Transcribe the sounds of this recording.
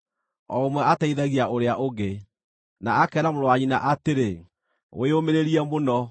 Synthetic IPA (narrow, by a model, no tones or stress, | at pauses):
ɔmwɛataiðaɣiaoɾeaʔoɡe | naakɛɾamoɾoaɲinaʔateɾe | o̰eomeɾeɾiɛmonɔ